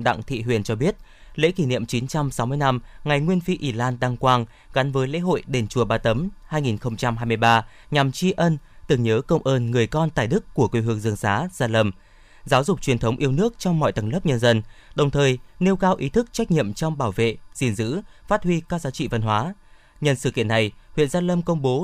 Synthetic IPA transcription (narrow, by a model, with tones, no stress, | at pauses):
ɗa̰˧˨ŋt̪ʰḭ˧˨ɦwḭ˧˨ənt͡ɕɔ˧ɓi˦˥ət̚ | lḛ˧˥ki˧˩nḭ˧˨əmt͡ɕi˨˦nt͡ɕa˧msɔ˨˦wmɨ˧əjna˧mŋa˨˩jŋwi˧ənfi˧ʔi˧˩laː˧nɗa˧ŋkwaː˧ŋ | ɣa˨˦nvəː˨˦jlḛ˧˥ɦo̰˧˨jɗe˨˩nt͡ɕu˨˩əɓaː˧˩t̪ə˨˦mhaː˧jŋi˨˩nxə˧wŋ͡mt͡ɕa˧mhɦaː˧jmɨ˧əjɓaː˧ | ɲa˨˩mt͡ɕi˧ʔə˧nt̪ɨ˨˩ŋɲəː˨˦kə˧wŋ͡mʔəː˧nŋɨ˨˩əjkɔ˧nt̪a̰ː˧˨jɗɨ˦˥kːu˧˩əku˧˩jɦɨ˨˩əŋzɨ˨˩əŋsaː˨˦z̥aː˧lə˧m | zaː˨˦wzʊ˨˩k͡p̚t͡ɕwi˨˩ənt̪ʰə˨˦wŋ͡mʔi˧əwnɨ˦˥ək̚t͡ɕɔ˧wŋ͡mmɔ̰˧˨jt̪ə˨˧˩nlə˦˥p̚ɲə˧nzə˧nɗə˨˩wŋ͡mt̪ʰəː˨˩jne˧wkaː˧wʔi˨˦t̪ʰɨ˦˥k̚t͡ɕa˦˥k̚ɲḭ˧˨əmt͡ɕɔ˧wŋ͡mɓaː˧˩wvḛ˧˨z̥ḭ˧˩ənzɨ̰˧˥faː˦˥t̚hwi˧kaː˦˥k̚zaː˨˦t͡ɕḭ˧˨və˧nhɦwaː˨˦ | ɲə˨˩nsɨ̰˧˩kḭ˧˨ənːa˨˩jhwḭ˧˨nzaː˧lə˧mkə˧wŋ͡mɓo˨˦